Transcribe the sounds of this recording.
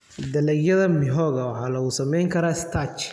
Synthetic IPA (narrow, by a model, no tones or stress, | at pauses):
d̪ɐlɛɡjɐðɐmɪɦɔːɣɐwɑħɑːlɐuːsɐmɛjŋkʰɐɾaːɪst̪ʰat͡ʃ